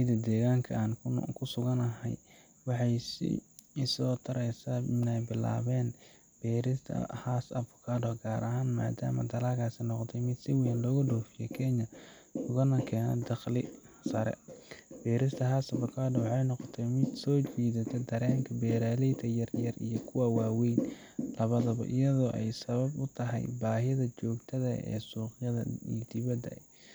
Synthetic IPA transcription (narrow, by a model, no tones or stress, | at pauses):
ɪd̪ɐd̪ɛːɣaːŋkʰɐaːnkʰʊsʊɣɐnɐɦɛ̰j | wɑħɑjsɪ̰ɪsɔːt̪ʰɐɾɛjsaɪnɛjbɪla̰ːβɛːn | b̥ɛːɾɪst̪ʰɐ̰haːsɐfʊ̥kʰaːdɔɡaːɾʔɐɦaːnma̰ːd̪a̰ːmɐ̰d̪ɐlaːlkʰaːsɪnɔqt̪ʰɛjmɪd̪sɪwiːnlɔːɣʊɖɔːfɪjɛ̰kʰɛɲɐ | ʊɣɐnɐkʰɛːnɐ̰d̪ɑqlɪ | sɐɾɛ̰b̥ɛːɾɪst̪ʰɐɦaːsɐbʊkʰaːdɔwħɑjnɔqɔt̪ʰɛmɪd̪sɔːt͡ʃiːðɐt̪ʰɛd̪ɐɾɛːŋkʰɐbɛːɾaːlɛjt̪ʰɐjɐrjɐrḭjɔkʰʊwɑwɑːwɛjn | lɐβɐðɐβɐ̰ʔɪ̰jɐðɔːʔɛjsɐβɐbʊt̪ʰɐɦɛ̰jbaːɦɪɐðɐt͡ʃɔːɡt̪ʰɐðɐ̰ɛ̰ːsuːqjɐðɐ̰id̪ɪβɐd̪ɐ